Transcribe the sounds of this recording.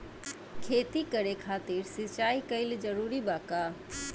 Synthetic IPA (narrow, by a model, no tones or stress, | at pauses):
kʰeːt̪ikəɾekʰaːt̪iɾsit͡ʃaikəɪld͡ʒəɾuɾibaka